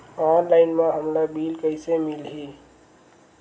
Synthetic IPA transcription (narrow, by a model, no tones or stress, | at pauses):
ɔːnlaɪnmãɦəmɾabilkəɪsemilɦi